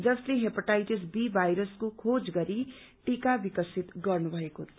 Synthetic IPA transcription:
d͡zʌsleɦepaʈajʈisbibʱajɾʌskokʰod͡zɡʌɾi | ʈikabikʌsit̪ɡʌrnubʱʌekot̪ʰ

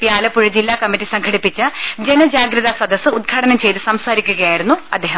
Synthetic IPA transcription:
pjaːlɐpːuɻɐd͡ʑilːaːkɐmːitːisɐŋɡʰʱɐɽipːit͡ɕːɐd͡ʑenɐd͡ʑaːɡɾɐðɐsɐd̪ɐsɨud̪̚ɡʱaːʈɐnɐmt͡ɕe̞jt̪ɨsɐmsaːɾikʲːuɣɐjaːjiɾunːuɐ̰d̪ːeːɦɐm

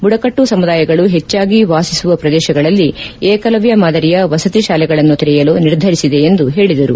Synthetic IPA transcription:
buɽɐkɐʈːusɐmud̪aːjɐɡɐɭuɦet͡ʃːaːɡiʋaːsisuʋɐpɾɐd̪ɛːʃɐɡɐɭɐlːieːkɐlɐʋjɐmaːd̪ɐɾijɐʋɐsɐt̪iʃaːlɛɡɐɭɐnːut̪iɾɛjɐloːniɾd̪ʱɐɾisid̪e̞end̪uɦe̞ːɭid̪ɐɾṵ

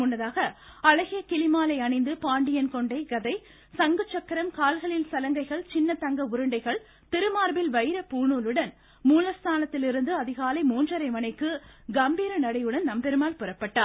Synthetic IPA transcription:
ʊnːɐðaːɣɐɐlɐɣɪjɐkɪlɪmaːlɐɪɐɳɐɪnd̪ɯpaːɳɖɪjɐnkɔɳɖɐɪɡɐðɐɪ | sɐŋɡɯt͡ʃːɐkːɐɾɐmkaːlɣɐɭɪlsɐlɐŋɡɐɪɣɐɭt͡ʃɪnːɐt̪ɐŋɡɐʊɾɯɳɖɐɪɣɐɭ | t̪ɪɾɯmaːɾbɪlʋɐɪɾɐpuːɳuːlɯɽɐn | muːlɐst̪ʰaːnɐt̪ːɪlɪɾɯnd̪ɯɐðɪɣaːlɐɪmuːndrɐɾɐɪmɐnɐɪkːɯɡɐmbiːɾɐnɐɽɐɪjɯɽɐnnɐmpɛɾɯmaːlpɯɾɐpːɐʈːaː

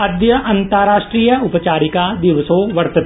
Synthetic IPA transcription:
ɐd̪jɐʔɐ̃nt̪əɾaːʃʈɾiːjəʊpət͡ʃaːɾikad̪ɪʋsoːʋɐɾt̪ət̪ː

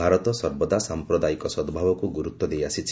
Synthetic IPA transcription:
aɾɔt̪ɔsɔɾbɔd̪asampɾɔd̪ajikɔsɔd̪bʱabɔkuɡuɾut̪wɔd̪ejasit͡ʃʰ

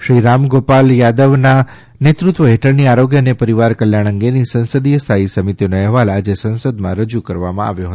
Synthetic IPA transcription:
ʃɾiɾamɡopaljad̪əʋna | net̪ɾut̪ʋəɦeʈʰəɭniaɾoɡjənepəɾiʋaɾkəljaɽ̃əŋɡenisə̃nsəd̪ijəst̪ʰaisəmit̪inoɛɦʋalad͡ʒesə̃nsəd̪mãɾəd͡ʒukəɾʋamã̰ʔa̰ʋjoɦət̪o

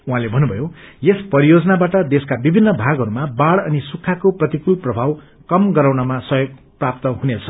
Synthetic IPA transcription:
uɦãlebʱʌnːubʱʌjojespʌɾijod͡zʌnabaʈʌd̪eskabibʱinːʌbʱaɡʌɾumabaɽʌnisukʰːakoprʌt̪ikulprʌbʱaw | kʌmɡʌɾaw̃nʌmasʌjoɡ̚ | prap̚t̪ʌɦunet͡sʰʌ̥

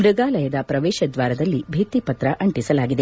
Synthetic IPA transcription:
mɾɨɡaːlɐjɐd̪ɐpɾɐʋɛːʃɐd̪ʋaːɾɐd̪ɐlːibʱeːt̪ipɐt̪ɾɐʔɐɳʈisɐlaːɡid̪e

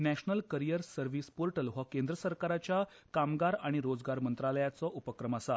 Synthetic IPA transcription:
næɕnəlkəɾijəɾsəɾʋispoɾʈəlʋakẽnd̪ɾəsəɾkaɾat͡ɕja | kamɡaɾaɽ̃iɾod͡zɡaɾmənt̪ɾaləjat͡sɔʔupəkɾəmasa

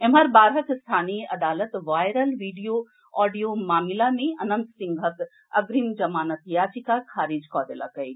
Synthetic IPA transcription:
emɐɾbaːɾɦɐkst̪ʰaːniəʔɐd̪aːlət̪ʋaːjɾəlʋiːɖijo | ɔːɖijomaːmilamẽɐnɐ̃nt̪sĩŋɡʱɦɐk̪ | ɐ̰ɡɾimd͡ʒɐmaːnɐt̪jaːt͡ʃikakʰaːɾiːd͡ʒkɔːd̪ela̰kɐj

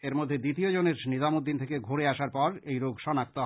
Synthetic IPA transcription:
eɾmod̪ʱːed̪it̪iod͡ʑoneɾnizamod̪ːint̪ʰekeɡʱoɾeaʃaɾpɔɾejɾoɡʃɔnak̚t̪oɦ

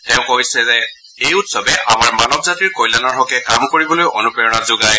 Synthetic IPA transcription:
tɛʊ̃kojsɛzɛ | ejutsɔbɛʔamaɹmanɔbzatiɹkojlanaɦɔkɛkamkoɹibɔlojʔo̰nupɛɹɔnazʊɡaj

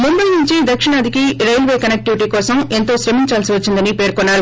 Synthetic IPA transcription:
mumbɐjnuɲt͡ʃid̪ɐkʂɪɳɐːd̪ʱikiɾɐjlʋeːkɐnɛk̚ʈiʋiʈiːkɔːsɐment̪oːsɾɐmiɲt͡ʃaːlsiʋɐt͡ʃːind̪ɐnipeːɾkɔnːaːɾu

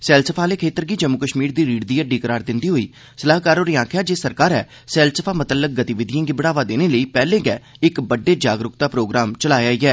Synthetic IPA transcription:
sɛːlsəpʰaːleːkʰeːt̪əɾɡiːd͡ʒəmːʊkəʃmiːɾd̪iːɾiːɽd̪iːəɖiːkəɾaːɾd̪ɪnd̪iːɦoːiː | səlaːɦkaːɾoːɾiːãːkʰjaːd͡ʒeːsəɾkaːɾɛː | sɛːlsəpʰaːmət̪əlːək̚ɡət̪iːʋɪd̪ʱijãːɡibəɽaːʋaːd̪eːneːləiːpɛːlẽːɡɛːɪkbəɖeːd͡ʒaːɡɾʊkt̪aːpɾoːɡɾaːmt͡ʃəlaːaːiːɛː

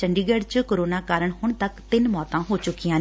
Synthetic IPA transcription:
t͡ʃəɳɖiːɡɛːɖt͡ʃəkoːɾoːnaːkaːɾəɽ̃hʊɳ̃t̪ɐkt̪ɪnmɔːt̪ãːɦoːt͡ʃʊkijãːn

